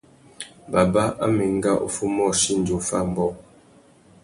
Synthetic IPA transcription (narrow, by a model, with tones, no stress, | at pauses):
ba˨ba˦ʔa̰˦mɛ˨ŋ˦ɡa˦ʔo̰˨fu˦mɔ˦˨ʃi˦n̩˨d͡ʒo˨fa˦˨m̩˨bɔ˦˨